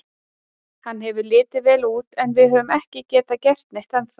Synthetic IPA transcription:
hanːɦɛvʏlɪːt̪ɪvɛːluːt̪ɛnvɪðɦœvʏmɛhcɪcɛːt̪acɛr̥t̪̚nɪst̪anθ

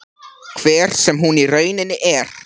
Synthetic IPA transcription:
kʰvɛːɾ̥sɛmɦunirœːɥnɪnːɪʔɛɾ̥

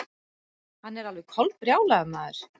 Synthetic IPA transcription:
hanːɛɾalvɛkʰɔlt̪̚rjaːwlaðʏmaːðʏɾ̥

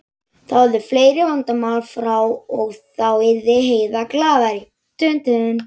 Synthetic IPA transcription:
θawðʏfleːjɾɪvant̪amaːwlfɾawɔɣθawɪɾðɪɦeːjðaklaːvaɾɪ | t̪ʰʏnt̪ʰʏnʏn

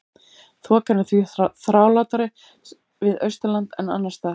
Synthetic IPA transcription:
θvɔkanɪθviθɾaːwlaːwt̪aɾɪ | vɪðœɥst̪ʏlant̪ɛna̰nːast̪a

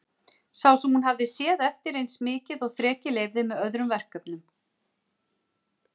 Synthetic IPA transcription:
sawsɛmhun̪ɦavðɪsjɛːðɛft̪ɪɾejnsmɪːcɪðɔɣθɾɛːcɪleːjvðɪmɛðœðɾʏmvɛr̥kœpnʏm

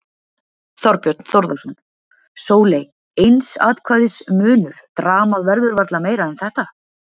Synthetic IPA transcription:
θɔɾpjœɾt̪n̥θoɾðasɔn | soːwlej | ejnsa̰ːt̪kʰvaːjðɪsmʏːnʏɾ̥t̪ɾaːmaðvɛɾðʏɾvaɾt̪lameːjɾaɛnθɛht̪a

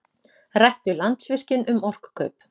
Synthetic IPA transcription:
rajht̪ʏlant̪svɪr̥cɪnʔʏmɔr̥kkʰœ̰ːɥp

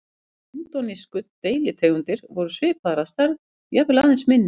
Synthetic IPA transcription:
ɛnt̪ɔniskʏt̪t̪ːejljɪt̪ʰeːɣʏnt̪ɪɾvɔɾʏsvɪːpʰaðɾast̪aɾð | japlaðɪnsmɪnːɪ

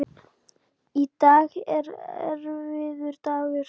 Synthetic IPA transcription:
it̪aːɣɛɾɛ̰ɾvɪðʏɾ̥t̪aːɣɪɾ̥

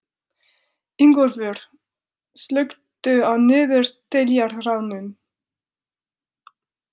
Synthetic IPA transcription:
iŋkɔɾfʏɾ̥ | slœɥkt̪ʏawnʏːðʏɾ̥t̪ʰɪljaɾrawnʏm

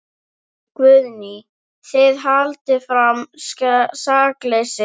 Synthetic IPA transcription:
kvʏðni | θɪðɦalt̪ɪfɾamsasaklesɪ

